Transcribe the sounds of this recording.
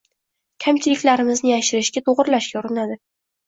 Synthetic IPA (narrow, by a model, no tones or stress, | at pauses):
kʲʰamt͡ʃʰɪlɪkʲlaɾɪmɪznɪjaʃɪɾɪʃɡʲat̪ʰoʁɾlaʃkʲauɾɪnad̪ɪ